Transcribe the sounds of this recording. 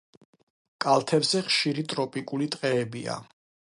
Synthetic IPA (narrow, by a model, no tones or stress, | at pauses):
kʼalˠt̪ʰɛbzɛχʃiɾit̪ʼɾɔpʼikʼulit̪ʼqʼɛːbia̰